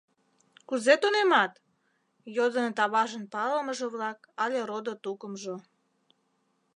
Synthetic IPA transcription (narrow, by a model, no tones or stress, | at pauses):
kuzet̪onemɑt̪ | jod̪ənt̪ɑβɑʒənpɑləməʒeβlɑk | ɑlʲeɾod̪ot̪ukəmʒo